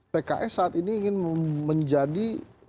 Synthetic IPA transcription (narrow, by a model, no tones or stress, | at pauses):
peka̰ʔɛsaat̪iniːŋɪnməɲd͡ʒadi